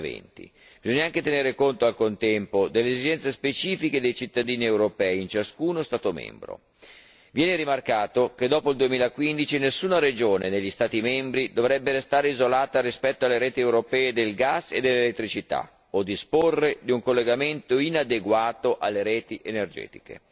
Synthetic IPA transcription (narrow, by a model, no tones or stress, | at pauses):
vɛ̰nt̪ḭ | bizoɲːaaŋk̟et̪eneːɾekont̪oalkont̪ɛmpod̪elːeːzid͡ʒɛnt̪sespet͡ʃiːfiked̪ejt͡ʃit̪ːad̪iːniewɾopɛːiint͡ʃaskuːnost̪aːt̪omɛ̰mbɾo̰ | vjɛːneɾimarkaːt̪ok̟ed̪ɔːpoild̪uemiːlakwind̪it͡ʃinesːuːnaɾed͡ʒoːneneʎːist̪aːt̪imɛmbɾid̪ovɾɛbːeɾest̪aːɾeizolaːt̪aɾispɛt̪ːoalːeɾɛːt̪iewɾopɛːed̪elɡasːḛd̪elːelet̪ːɾit͡ʃit̪a̰ | od̪ːisporːed̪iuŋkolːeɡament̪oinad̪eɡwaːt̪oʔalːeɾɛːt̪iʔenerd͡ʒɛ̰ːt̪i̥kḛ